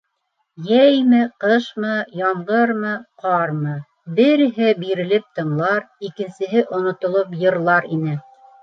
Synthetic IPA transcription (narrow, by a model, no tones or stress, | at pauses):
jæjmɘqɤʃmɤjɑmʁɤɾmɤqɑɾmɤ | bɘ̆ɾ̆ɦɘbiɾɘ̆lɘp̚t̪ɤ̆ɴlˠɑɾ | ikɘ̆nsɘ̆ɦɘʔŏnŏt̪ŏlˠopjɤ̆ɾlˠɑɾinɘ